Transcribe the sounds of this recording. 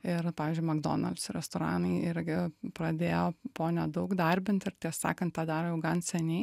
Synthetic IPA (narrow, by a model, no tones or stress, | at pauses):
ɪɾpɑːʋʲiːzʲd͡ʒʊɪmɐɡd̪o̰ːnɐ̰lʲt̪sɾʲɛ̰st̪oːɾɑ̰ːnɐɪɪɾʲɡʲɪpɾɐd̪ʲeːjoːpoːnʲɛd̪ɐʊkd̪ɐɾʲbʲɪnʲt̪ʲɪɾt̪ʲiɛsɑ̰ːkɐnt̪̚t̪ɑːd̪ɑːɾoːjɛʊɡɐnsʲɛnʲɛɪ